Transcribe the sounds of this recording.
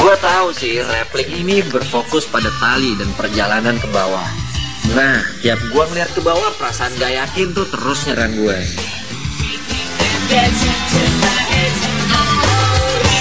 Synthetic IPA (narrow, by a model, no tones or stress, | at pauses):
ɡuat̪ausɪhrɛplɪkinibərfokʊspadat̪alidanpərd͡ʒalanankəbawa | naht̪iap̚ɡuaməliat̪̚kəbawahpəɾasaːnɡajakɪnt̪ʊht̪əɾʊsɲaɾanɡua